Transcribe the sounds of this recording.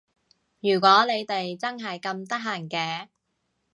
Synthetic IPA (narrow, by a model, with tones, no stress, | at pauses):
jyː˨˩k̬ʷɔː˨˥le˨˧jt̪e˨jt͡sɐ˥ŋɦɐ˨jkɐ˧mt̪ɐ˥k̚ɦaː˨˩ŋkɛː˧